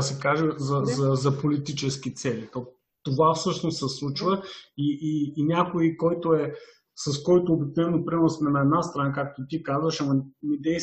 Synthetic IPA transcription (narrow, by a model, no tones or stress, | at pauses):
sɛkaʒɛzɐzɐzɐpolit̪it͡ʃɛsk̟it̪sɛlit̪o | t̪ovafsɤʃnossɛslˠut͡ʃvəiːnʲakoikɔjt̪oɛ | sɐskɔjt̪oːbik̚novɛnopɾimɛnsmɛnɐɛd̪nast̪ɾɐnak̬ak̚t̪ot̪ikazvəʃɐmɐnid̪ɛj